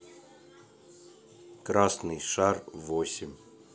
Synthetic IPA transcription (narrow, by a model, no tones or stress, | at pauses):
kɾasnɨjʂarvosʲɪmʲ